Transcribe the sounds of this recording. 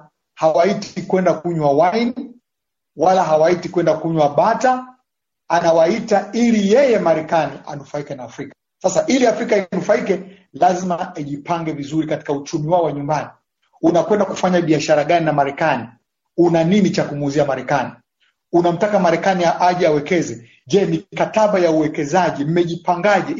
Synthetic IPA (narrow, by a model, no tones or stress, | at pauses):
hawaitkwɛndakuɲwawajni | walaɦawaitikwɛndakuɲwaɓata | anawaitailijɛjɛmaɾɛkaniʔa̰nufaikɛnaːfɾikḁ | sasaʔiliafɾikainufaikɛ | lazimaiʄipaŋɡɛvizuɾikati̥kaut͡ʃumiwaɔwaɲumbani | unakwɛndakufaɲaɓiaʃaɾaɠaninamaɾɛkani | unaninit͡ʃakumːziamaɾɛkani | unam̩takamaɾɛkaniaʔaʄiawɛkɛzɛ | ʄɛnikataɓajauwɛkɛzaʄim̩mɛʄipaŋɡaʄɛ